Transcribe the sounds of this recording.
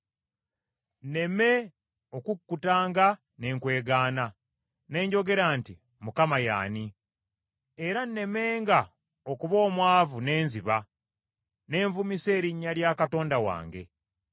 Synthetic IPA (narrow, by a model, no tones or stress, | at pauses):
nne̞me̞ | o̞kukːutaːŋɡa | ne̞ːŋkwe̞ːɡaːna | ne̞ːɲɟo̞ɡe̞ɾaːnti | mukamaja̰ːni | eɾanːe̞me̞ːŋɡa | okuβo̞ːmwaːvune̞ːnziβa | ne̞ːɱvumise̞ːɾiɲːaljaːkato̞ːndawa̰ːŋɡe̞̰